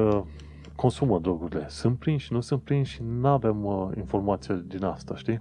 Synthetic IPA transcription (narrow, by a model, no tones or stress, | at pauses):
ə | kʰo̞nsuməd̪ɾoɡuɾile̞sɨnt̪̚pɾinʃinusɨnt̪̚pɾinʃinavemḭnfo̞rmat̪sijed̪inast̪aʃt̪i